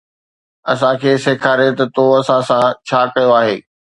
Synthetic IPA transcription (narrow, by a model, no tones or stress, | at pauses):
ɐsãkʰeːseːkʰaːɾet̪ɐt̪oɐsãsãt͡ɕʰaːkɐjoaːɦeː